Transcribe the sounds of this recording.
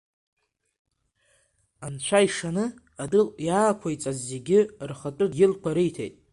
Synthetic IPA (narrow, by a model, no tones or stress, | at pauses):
ant͡ɕʷʰaiʂanɨ | adɨljaːkʷʰajt͡sʼazːeɡʲɪrχatʼʊjɪlkʷʰaɾɨjtʰḛjtʼ